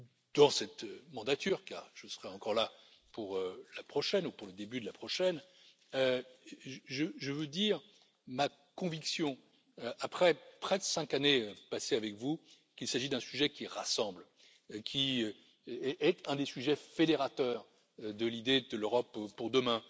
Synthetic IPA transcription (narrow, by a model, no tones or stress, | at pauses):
d̪̥ɑ̃sɛt̪ømɑ̃d̪at̪yːʁka̰ːʁʒ̥əsəʁɛɑ̃kɔʁla | puʁølapχɔʃɛnupuʁləd̪ebyd̪əlapχɔʃɛn | ø | ʒəʒəvød̪iʁ | ma | kɔ̃viksjɔ̃ | øʔapχɛpχɛd̪əsɛ̃kaneøpaseavɛkvu | kʲilsaʒid̪ɛ̃syʒɛkʲiʁasɑ̃bl | kʲʰi | ɛʔɛt̪ɛ̃d̪esyʒɛfed̪eʁat̪œːʁ | d̪əlid̪ed̪əløʁɔppuʁd̪əmɛ̃